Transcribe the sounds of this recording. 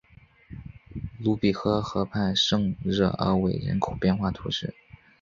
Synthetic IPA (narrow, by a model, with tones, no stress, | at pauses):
lu˧˥pi˨˩xɤ˥xɤ˧˥pʰa˥˧ɪʂɤ˥˧ŋɻɤ̰˥˩ə̰˞˧˥we˨˩ɪɻɛ̰˧˥nkʰo˨˩ʊpjɛ˥˧nxwa˥˩t̪ʰṵ˧˥ʂɻ̩˥˩